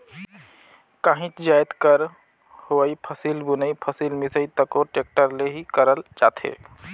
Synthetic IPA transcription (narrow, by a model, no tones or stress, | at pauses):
kaːɦĩt͡ʃd͡ʒajt̪kəɾ | hoəipʰəsilbunəipʰəsiːlmɪsəit̪əkoʈek̚ʈəɾleɦikəɾəld͡ʒaːt̪ʰḛː